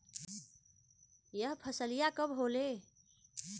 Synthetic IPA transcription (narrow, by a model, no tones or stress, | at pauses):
jəɦpʰəsəlijakəbɦole